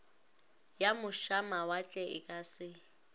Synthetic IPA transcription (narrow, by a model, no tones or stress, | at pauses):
jamʊʃamawat͡ɬʼɛɪkʼasɪ